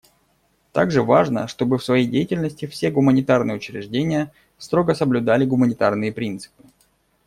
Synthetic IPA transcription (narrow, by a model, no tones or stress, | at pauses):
t̪a̰ɡʐɨvaʐnə̰ʂt̪o̞bɨfsvɐjejdʲejɪtʲɪlʲnəsʲtʲɪfsʲeɡʊmənʲɪt̪arnɨjʊt͡ɕɾʲɪ̰ʐdʲenʲɪjə | st̪ɾo̞ɡəsəblʲʊd̪alʲɪɡʊmənʲɪt̪arnɨjəpɾʲint̪sɨ̥pɨ̥